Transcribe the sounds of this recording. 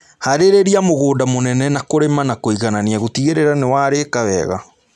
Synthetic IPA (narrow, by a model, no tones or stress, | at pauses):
haɾeɾeɾiamoɣoːdamonɛnɛnakoɾemanakoiɣananiaɣotiɣeɾeɾanewaːɾekawɛɣa̰